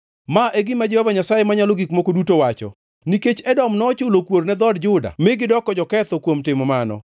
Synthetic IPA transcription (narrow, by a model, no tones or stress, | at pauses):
maʔeɡɪmad͡ʒɛhɔvaɲasajemaɲaloɡikmokodutowat͡ʃɔ̰ | niket͡ʃɛdɔmnɔt͡ʃʊlokwoɾnɛd̪ɔdd͡ʒʊda̰mɪɡɪdɔkɔd͡ʒɔkɛt̪ɔkwomtɪmɔmanɔ̰